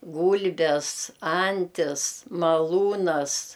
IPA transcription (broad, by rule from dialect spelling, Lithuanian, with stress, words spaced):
ˈɡuːlʲbʲɛs ˈɐnʲtʲɪs mɐˈlˠuːnɐs